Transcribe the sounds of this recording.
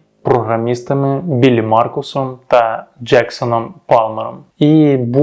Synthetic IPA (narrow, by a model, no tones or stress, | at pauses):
pɾɔɦɾɐmʲist̪ɐmɪbʲilʲimɑrkʊsɔmt̪ɐd͡ʒɛksɔnɔmpɑlˠmɛɾɔmibu